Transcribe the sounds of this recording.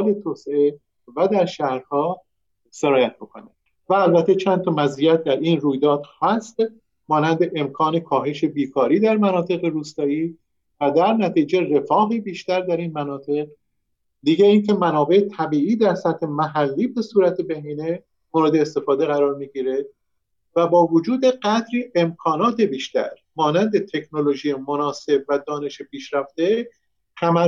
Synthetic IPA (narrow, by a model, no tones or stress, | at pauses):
ɒːlet̪ʰoːsee | væd̪æɾʃæhɾhɒː | seɾɒːjæt̪̚ʰbokʰo̞̰ne | væːlbæt̪ʰːet͡ʃʰænt̪ʰɒmæzijæt̪̚ʰd̪æɾʔiːnruːjd̪ɒːd̪̥hæst̪ | mɒːnænd̪e̞ʔemkʰɒːne̞kʰɒːɦe̞ʃe̞biːkʰɒːɾiːd̪æɾmænɒːt̪ʰe̞ɣeɾuːst̪ɒːiː | væd̪æɾnæt̪ʰiːd͡ʒe̞re̞fɒːɦiːbiːʃt̪æɾd̪æɾiːnmænɒːt̪ʰe̞ʁ | d̪iːɟeiːncʰe̞mænɒːbe̞ʔet̪ʰæbiːʔiːd̪æɾsæt̪he̞mæɦælːiːbe̞suːɾæt̪ʰebeɦiːne | moɾed̪eːst̪e̞fɒːd̪eɣæɾɒːɾmiːɟiːɾe | væbɒːvod͡ʒuːd̪e̞ɢæd̪ɾiːʔe̞mkʰɒːnɒːt̪ʰe̞biːʃt̪æ̰ɾ | mɒːnænd̪e̞t̪ʰe̞knoloʒijemonɒːse̞b̚væd̪ɒːne̞ʃepʰiːʃɾæft̪e̞ | hæmæ